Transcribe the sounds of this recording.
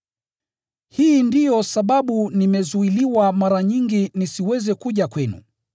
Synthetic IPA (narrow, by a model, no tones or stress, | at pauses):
hiːndijɔsaɓaɓunimɛzuiliwamaɾaɲiŋɡinisiwɛzɛkuʄakwɛnṵ